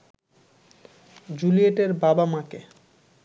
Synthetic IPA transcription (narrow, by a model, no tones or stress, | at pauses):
d͡ʑulieʈeɾbabamake